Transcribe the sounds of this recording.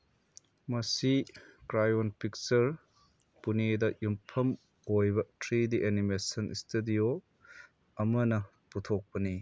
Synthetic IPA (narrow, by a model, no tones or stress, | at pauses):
mɐsikɾajonpʰik̚t͡ʃɐɾ | punedɐjumpʰɐm | ojbɐtɾidiʔenimesɐnʔḭstedio | ɐmɐnɐ | putʰok̚pɐni